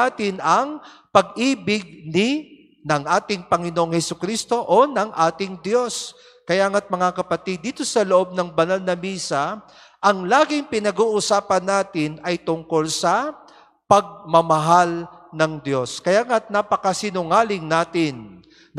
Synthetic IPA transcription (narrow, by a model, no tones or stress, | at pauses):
at̪ɪnɐŋpɐɡ̚iːbɪɡ̚nɪ | nɐŋʔaːt̪ɪŋpɐŋɪnoʔoŋhɛsʊkɾist̪o̞ʔonɐŋʔaːt̪ɪŋd̪jo̞s | kɐjaːŋat̪̚mɐŋakɐpɐt̪id̪ːiːt̪o̞sɐloʔo̞b̚nɐŋbɐnalnɐmiːsɐ | ʔɐŋlaːɡɪŋpɪnɐɡuːʔʊsaːpɐnːaːt̪ɪnɐjt̪ʊŋko̞lsɐ | pɐɡ̚mɐmɐɦalnɐŋd̪jo̞skɐjaːŋat̪̚napɐkɐsɪnʊŋaːlɪŋnaːt̪ɪn